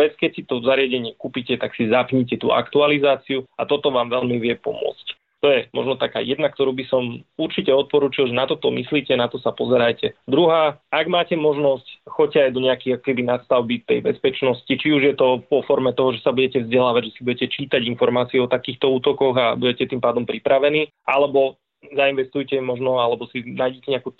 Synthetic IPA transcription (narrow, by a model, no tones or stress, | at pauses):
ʋɛt͡skɛcsit̪ɔzaɾɪaɟɛɲɪɛkuːpicɛt̪aksizapɲicɛt̪ṵːʔa̰kt̪ualizaːt͡siuat̪ɔt̪ɔʋaːmʋɛʎmiʋɪɛpɔ̰mʊɔ̰t͡sc | t̪ɔjɛmɔ̰ʒnɔt̪aka̰ːjɛd̪nak̚t̪ɔɾuːbisɔmuɾt͡ʃicɛɔt̪̚pɔɾuːt͡ʃilʒɛnat̪ɔt̪ɔmisliːcɛnat̪ɔsapɔzɛɾajcɛd̪ɾuɦaːaɡmaːcɛmɔʒnɔscxɔccːɛajd̪ɔɲɛakijakɔ̥kɛbinast̪aʊbit̪ɛ̰jbɛspɛt͡ʃnɔscit͡ʃiuʒjɛt̪ɔʋɔfɔɾmɛt̪ɔɦɔʒɛsabuɟɛcɛvzɟɛlaːʋaɟʒɛsibuɟɛcɛt͡ʃiːt̪aɟinfɔɾmaːt͡siɛɔt̪akiːxt̪ɔuːt̪ɔkɔɣabuɟɛcɛt̪impaːd̪ɔmpɾipɾaʋɛniː | ʔalɛbɔ | zainʋɛst̪ujcɛmɔʒnɔalɛbɔsinaːjɟɛcɛɲɛaku